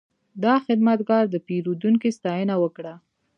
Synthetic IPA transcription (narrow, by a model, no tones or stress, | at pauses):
d̪ɑxɪd̪mat̪ɡɑɾd̪əpeɾud̪uŋkist̪ɑjənawəkɽa